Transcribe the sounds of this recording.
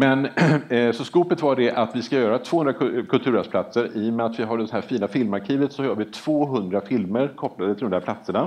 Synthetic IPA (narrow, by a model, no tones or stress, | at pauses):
mɛnsɔskuːpət̪vaɖɛʔat̪vɪskajœːɾat̪ʰvoːɵnɾakʰɵlt̪ʰʉ̟ːɾɛsplat̪səɾɪjmɛat̪vɪɦaɖɛhæːɾfiːnafɪlmaɾkʰiːvət̪sɔhœːɾvɪt̪ʰv̥oːɦɵnd̪ɾafɪlməɾkʰɔpːlad̪ət̪ʰɪlɔmæɾpʰlat̪səɳa